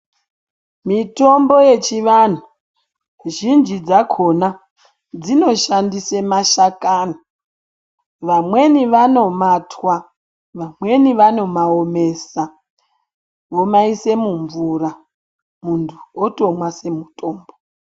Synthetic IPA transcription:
mito̞mbo̞je̞t͡ʃiʋan̤u | ʒind͡ʒid͡zakʰona | d͡zino̞ʃandisemaʃakaːna | ʋamwe̞niʋano̞matwa | ʋamwe̞niʋano̞maome̞sa | ʋo̞maise̞muɱvura | muntʰuoto̞mwase̞mutʰʼo̞ːmbo

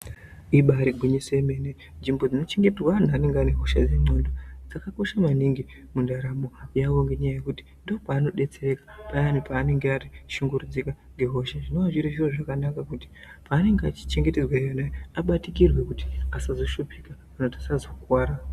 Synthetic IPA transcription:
iɓaɾiɡʱuɲisemene | nʐimbo̞d͡zino̞t͡ʃe̞ŋɡe̞trwaan̤uane̞ŋɡane̞ɦo̞ʃa̰d͡ze̞ŋ͡ǀo̞ːndod͡zakako̞ʃamaniŋɡi | mundaɾamo̞jaʋo̞ŋɡe̞ɲajaje̞kuti̥ | ndo̞paːno̞ɗe̞t͡se̞rekḁpajanipaːne̞ŋɡeariʃuŋɡuɾud͡zikaŋɡe̞ɦo̞ʃaʐino̞ʋaʐiɾiʐiroʐakanakakuti̥paːne̞ŋɡeat͡ʃi̥t͡ʃe̞ŋɡe̞terwajanajeaɓatikirwe̞kuti̥asazo̞ʃupika | anotasazokwaːɾa

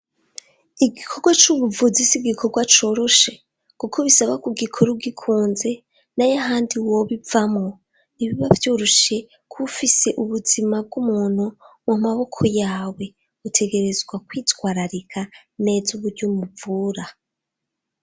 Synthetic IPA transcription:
iɡikʰo̞ɡwat͡ʃuβuvuzisiɡikʰo̞ɡwat͡ʃo̞ɾo̞ʃe̞ | kukʰo̞βisaβakuɡikʰo̞ɾuɡikʰuːnze̞ | najaɦaːndiwo̞βivamŋo̞ | niβiβavjuɾuʃe̞ | kʰufise̞ʔuβuzimab̚ɡumuːn̥humumaβo̞kʰo̞jaːwe̞ | ɡutʰe̞ɡe̞ɾezɡwakwiːtwaːɾaɾikʰa | ne̞ːzuβuɾɟomuvuːɾa

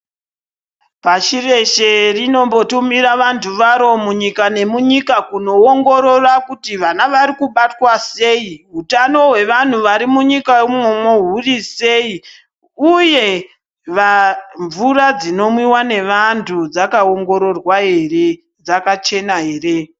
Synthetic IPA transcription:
paʃire̞ʃerino̞mbo̞tumiɾaʋantʰuʋaɾo̞muɲikane̞muɲikakuno̞oŋɡo̞ɾo̞rakutiʋanaʋaɾikuɓatwase̞iɦutano̞ɦwe̞ʋan̤uʋaɾimuɲikaumomo̞ɦurise̞i | uje̞ | ʋaɱvurad͡zino̞mwiwane̞ʋantʰud͡zakaoŋɡo̞ɾo̞rwaɦe̞re | d͡zakat͡ʃe̞naɦe̞ːre̞

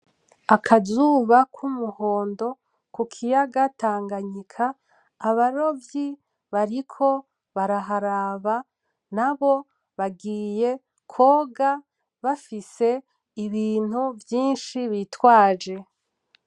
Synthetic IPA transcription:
akʰazuːβakʰumuho̞ːndo̞ | kukʰijaɡataːŋɡaɲikʰaː | βaɾo̞vji | βaɾikʰo̞ | βaɾaɦaɾaːβa | naβo̞ | βaɡiːje̞ | kʰo̞ːɡa | βafise̞ | iβiːn̥huvjiːnʃiβitwaːd͡ʒe̞

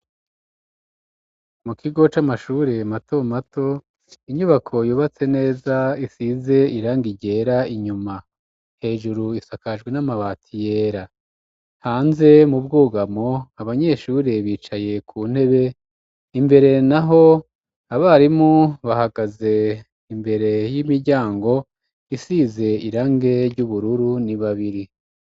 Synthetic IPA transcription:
mukʰiɡo̞t͡ʃamaʃuːɾe̞mato̞mato̞ | iɲuβakʰo̞juːβat͡se̞ne̞ːzaisize̞iɾaːŋɡiɟe̞ɾaiɲuma | he̞ːʒuɾuisakaʒɡwe̞namaβaːtʰije̞ːɾa | haːnze̞mubɡuːɡamo̞aβaɲe̞ʃuːɾeβiːt͡ʃaje̞kʰuːn̥he̞βe̞ | imbe̞ɾe̞naɦo̞ | aβaɾimuβahaɡaze̞ | imbe̞ɾe̞jimiɾɟaːŋɡo̞ | isize̞iɾaŋɡe̞ɾɟuβuɾuɾuniβaβiɾi

